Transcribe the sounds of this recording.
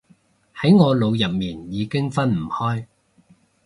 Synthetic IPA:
hɐ˨˥jŋɔː˨˧lo˨˧wjɐ˨p̚miː˨˩njiː˨˧kɪ˥ŋfɐ˥nm̩˨˩hɔː˥j

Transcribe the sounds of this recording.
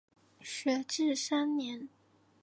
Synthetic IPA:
ɕɛ˧˩ʈ͡ʂɻ̩˥˩sa˥nnjɛ˧˥n

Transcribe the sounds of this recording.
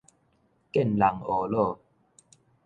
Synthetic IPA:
kɛ˥˨nla˨˩˦ŋo˨˩lo˥˨

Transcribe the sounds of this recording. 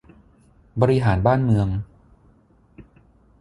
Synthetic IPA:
bɔ˧ɾi˧ɦaː˩˦nbaː˥˩nmɯ˧əŋ

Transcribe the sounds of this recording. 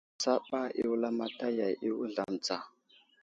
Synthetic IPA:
t͡sa˦ɓa˦ḭ˦wu˦la˦ma˦ta˦ja˨jʔi˦wu˦ɮa˦mt͡sa˨

